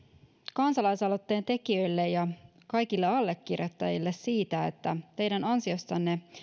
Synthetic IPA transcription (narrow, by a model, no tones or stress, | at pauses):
kɑnsɑlɑjsɑlo̞t̪ːe̞ːnt̪e̞kiø̞jlːe̞jjɑ | kɑjkilːeɑlːe̞kːirjot̪ːɑjilːe̞ssiːt̪æet̪ːæt̪e̞jdænɑnsio̞st̪ɑnːe̞